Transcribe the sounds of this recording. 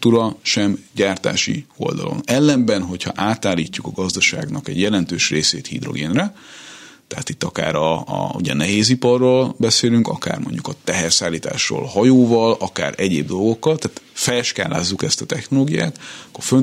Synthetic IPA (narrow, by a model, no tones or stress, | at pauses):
t̪uːɾɒʃɛmɟaːrt̪a̰ːʃḭo̞̰ld̪ɒ̰lo̞̰nɛlːɛmbɛnɦo̞chɒʔaːt̪aːlːiːcːukɒɡɒzd̪ɒʃa̰ːɡnɒkɛɟjɛlɛnt̪øːʃreːseːt̪hḭd̪ro̞̰ɡeːnrɛ | t̪ɛɦaːt̪it̪ːɒka̰ːɾɒ̰ṵɟɛnɛɦeːzipɒrːoːlbɛseːlyŋkɒka̰ːrmo̞̰ɲɟukɒt̪ɛɦɛrsaːlːiːt̪a̰ːʃro̰ːlhɒjoːvɒlɒka̰ːɾɛɟeːb̚d̪o̞lɡo̞kːɒlt̪ɛaːt̪fɛlʃka̰ːlːa̰ːzːukɛst̪ɒt̪ɛxno̞loːɡija̰ːt̪ɒkːo̞rføn